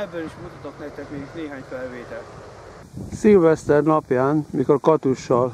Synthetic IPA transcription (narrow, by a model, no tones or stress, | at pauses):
ɛbːøliʃmut̪ot̪oknɛkt̪ɛkmeːɡneːɦaːɲfɛlveːt̪ɛlt̪ | silvɛst̪ɛrnɒpjaːnmikolkɒt̪uʃːɒl